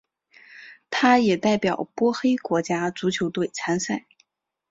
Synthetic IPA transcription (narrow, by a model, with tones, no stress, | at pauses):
t̪ʰa˥jɛ˨˩t̪a˥˩ɪpjɑ˨˩ʊpwɔ˥xe˥ɪkwɔ˧˥t͡ɕja˥t͡su˧˥t͡ɕʰjo˧˥ʊt̪we˥˩ɪt͡sʰa˧˥nsa˥˩ɪ